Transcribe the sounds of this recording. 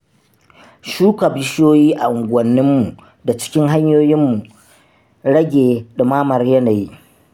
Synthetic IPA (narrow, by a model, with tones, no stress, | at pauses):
ʃuː˦ka˨bɪ˦ʃjoː˦jiː˦ʔa̰˨ʔʊ˨ŋɡʷɐ˨nːɪ˦mːu˨ | da˨t͡ʃɪ̥˦kʲɪ˦ŋɦa˦ɲjoː˦jɪ˦mːu˨ | ɽɐ˦ɡʲeː˨ɗʊ˨maː˦mɐ˨rjɐ˦na˨ji˦